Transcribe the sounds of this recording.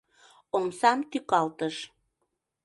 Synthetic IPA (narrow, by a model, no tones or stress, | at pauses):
omsɑmt̪ykɑlt̪əʃ